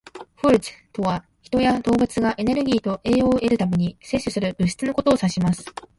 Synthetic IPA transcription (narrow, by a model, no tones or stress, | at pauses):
ɸɯɾɯ̟t͡sɨ̥t̪o̞βa | çi̥t̪o̞jad̪o̞ːbɯ̟t͡sɨɡaʔe̞ne̞ɾɯ̟ɡʲiːt̪o̞ʔe̞ːo̞ːe̞ɾɯ̟t̪ame̞ɲ̟ise̞ɕːɨsɨɾɯ̟bɯ̟ɕi̥t͡sɨno̞ko̞t̪o̞ːsaɕimasɨ̥